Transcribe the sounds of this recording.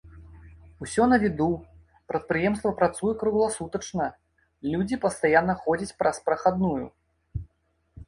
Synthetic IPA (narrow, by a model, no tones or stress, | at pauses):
usʲɔnɐvʲid̪u | pɾɐt̪̚pɾɨjɛmst̪vɐpɾat̪sujɛkɾuɣlˠasut̪ɐt͡ʂnɐ | lʲud͡zʲipɐst̪ajanːɐxɔd͡zʲɐt͡sʲpɾʔɐspɾɐxad̪nujṵ